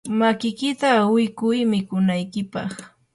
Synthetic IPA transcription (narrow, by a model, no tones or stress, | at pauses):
makɪkɪt̪awɪkʊjmɪkʊnajkɪpɑχ